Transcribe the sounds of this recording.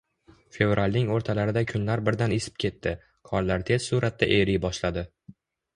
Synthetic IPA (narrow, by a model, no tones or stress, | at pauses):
fe̞vɾalʲnɪŋoɾt̪ʰalaɾɪd̪akʲʰʊnlaɾbɪɾd̪anesɪ̥p̚kʲʰe̞t̪ʰːɪ | kʰɒɾlaɾt̪ʰe̞z̥suɾat̪̚ːa̰ʔeɾijbɒʃlad̪ɪ